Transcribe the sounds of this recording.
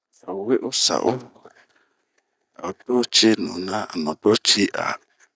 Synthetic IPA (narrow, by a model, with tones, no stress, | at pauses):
a˨we˦ʔo˦sa̰˨ʔo˦ | a˨to˦t͡ʃe˦nṵ̃˨nã˦a˨nɔ̃˨dɔ˦t͡ʃe˦ʔa̰˨